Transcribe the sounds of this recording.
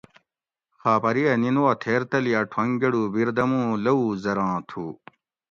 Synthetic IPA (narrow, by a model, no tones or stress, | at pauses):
xaːpɐɾijɐninuwat̪ʰeːɾt̪ɐlijaʈʰwɐŋɡɐɽubiɾd̪ɐmũlɐuzɐɾãːt̪ʰuː